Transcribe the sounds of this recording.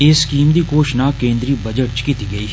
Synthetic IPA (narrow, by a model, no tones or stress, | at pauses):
eskiːmd̪ikoːʃnakẽːnd̪ɾibɐd͡ʒəʈt͡ʃkɪt̪iɡɐiː